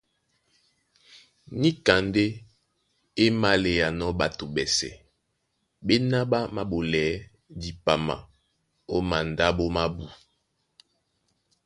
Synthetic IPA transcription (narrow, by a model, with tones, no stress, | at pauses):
ni˦ka˨nde˦ | e˦ma˦le˨ja˨nɔ˦ba˨to˨bɛ˨sɛ̰˨ | ɓe˦na˦ba˦ma˦bo˨lɛ˨˦ | di˨pa˨ma̰˨ | o˦ma˨n˨da˦bo˦ma˦bu˨